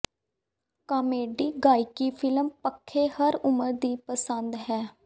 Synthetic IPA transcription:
kaːmeːɖiːɡaːikiːpʰɪlmpəkʰːeːhəɾʊməɾd̪iːpəsənd̪ɦɛː

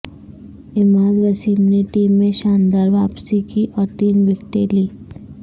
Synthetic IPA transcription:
ɪmaːlɾəsiːmneʈiːmːẽʃaːnd̪aːɾʋaːpsikiʔɔːɾt̪iːnʋɪkʈeliː

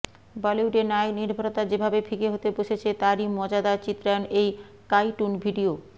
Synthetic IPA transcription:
bɔliuɖenaeniɾbʱaɾot̪ad͡ʑebʱabefʰikeɦot̪eboʃet͡ɕʰet̪aɾimɔd͡ʑad̪at͡ɕit̪ːɾaonej | kajʈunbʱiɖio

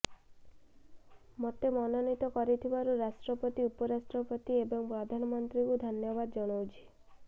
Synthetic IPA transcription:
mot̪emɔnɔnit̪ɔkɔɾit̪ʰibaɾuɾasʈɾɔpɔt̪iupɔɾasʈɾɔpɔt̪iebɔŋpɾɔd̪ʱanɔmɔnt̪ɾikud̪ʱɔnjɔbad̪ɔd͡ʒɔɽ̃owt͡ʃʰi̥

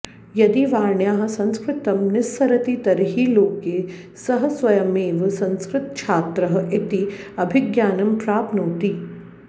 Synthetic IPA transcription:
jɐd̪iʋaːɾɳjaːɦɐ̆sɐ̃nskɾɪt̪ɐmnɪsːɐɾɐt̪it̪ɐɾɦiːloːkeː | sɐɦɐ̆sʋɐjɐmeːʋɐsɐ̃nskɾɪt̪̚t͡ʃʰaːt̪ɾɐɦɐ̆ʔɪt̪iɐbʱɪɡjaːnɐmpɾaːpnoːt̪i

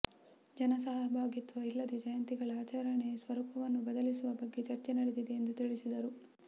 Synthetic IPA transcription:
d͡ʒɐnɐsɐɦɐbʱaːɡit̪ʋɐilːɐd̪ed͡ʒɐjɐnt̪iɡɐɭɐaːt͡ʃaɾɐɳesʋɐɾupɐʋɐnːubɐd̪ɐlisuʋɐbɐɡːe̞t͡ʃɐɾt͡ʃenɐɽed̪id̪eːnd̪ut̪iɭisid̪ɐɾu

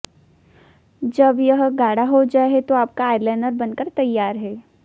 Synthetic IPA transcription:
d͡ʒɐbjɐɦɡaːɽaɦod͡ʒaːeɦɛt̪oaːp̚kaːjɾlɛːnəɾbɐnkəɾt̪ɐjːaːɾɦɛː

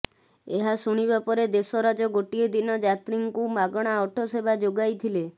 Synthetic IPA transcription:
eɦasuɽ̃ibapɔɾed̪esɔɾad͡ʒɔɡoʈied̪inɔd͡ʒat̪ɾiŋkumaɡɔɽ̃aɔʈʰosebad͡ʒoɡajt̪ʰile

